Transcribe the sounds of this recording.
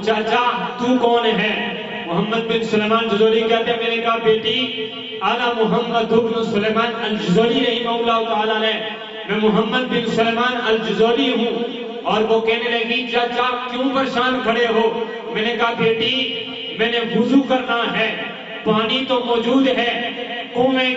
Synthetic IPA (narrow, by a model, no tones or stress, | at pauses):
t͡ʃaːt͡ʃaːɦt̪uːkɔːnɦɛː | mʊɦəmːəd̪̚bɪnsʊleːmaːnd͡ʒʊzoːlikɛːt̪eɛ̃mɛ̃ːnekaɦabeːʈi | aːlamʊɦəmːəd̪ʊknʊ̃sʊleːmaːnɐld͡ʒʊzoːliɾɐɦimaʊlːaːɦʊt̪aːlaːlɛ | mɛ̃ːmʊɦəmːəd̪̚bɪnsʊleːmaːnɐld͡ʒʊzoːliɦũː | ɔːɾʋokɛːneɾɐɦɡikaːt͡ʃaːkjũːbɐɾʃaːnkʰɐɽeɦoː | mɛ̃ːnekaɦabeːʈi | mɛ̃ːneɦʊzukɐɾnaɦɛ̃ː | paːɽ̃it̪omɔːd͡ʒuːd̪ɦɛːkũːmẽ